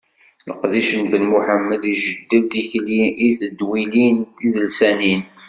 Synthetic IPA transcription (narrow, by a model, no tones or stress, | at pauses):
ləqðiʃənbənmuħəmːəliʒəd̪ːəlt̪içliʔiθəd̪wiliniðəlsænin